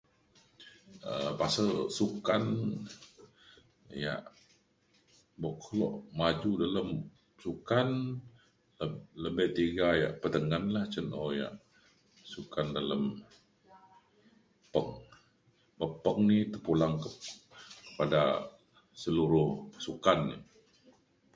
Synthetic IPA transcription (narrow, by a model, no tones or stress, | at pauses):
ə̰pasəlsukan | ja̰ʔ | bɔʔkʰlɔ̰ʔmad͡ʒudaləm | sukan | ləbɛʔt̪iɡaja̰ʔpət̪əŋanlaht͡ʃənʔɔja̰ʔ | sukandaləm | pəŋ | bəpəŋnit̪əpulaŋkəkəpada̰ | səluɾʊhpḁsukanḭ